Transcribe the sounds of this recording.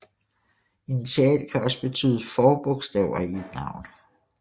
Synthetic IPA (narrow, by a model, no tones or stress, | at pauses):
init͡sʰeɛ̰lkʰæɒ̽səb̥e̝t͡sʰy̰ːðˠəfɒːb̥ɔ̽ɡ̥sd̥ɛʊ̰ɐied̥nɑ̈ʊ̰n